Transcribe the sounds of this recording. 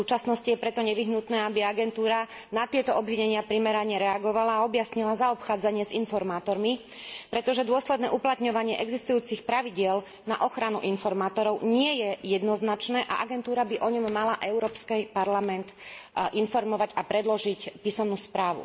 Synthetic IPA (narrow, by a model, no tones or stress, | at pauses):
uːt͡ʃasnɔscijɛpɾɛt̪ɔɲɛʋiɦnut̪nɛːabiaɡɛnt̪uːɾa | nat̪ɪɛt̪ɔʔɔbʋiɲɛɲɪapɾimɛɾaɲɛɾɛaɡɔʋalaːɔbjasɲilazaɔpxaːd͡zaɲɪɛzinfɔɾmaːt̪ɔɾmi | pɾɛt̪ɔʒɛd̪ʊɔslɛd̪nɛːʔuplat̪ɲɔʋaɲɪɛʔɛɡzist̪ujuːt͡sixpɾaʋiɟɪɛl | naʔɔxɾanṵʔinfɔɾmaːt̪ɔɾɔʊɲɪɛjɛjɛd̪nɔznat͡ʃnɛːʔa̰ʔaɡɛnt̪uːɾabiʔɔɲɔmːalaʔɛʊɾɔːpskɛpaɾlamɛnt̪ʔinfɔɾmɔʋaɟapɾɛd̪lɔʒicpiːsɔmnuːspɾaːʋṵ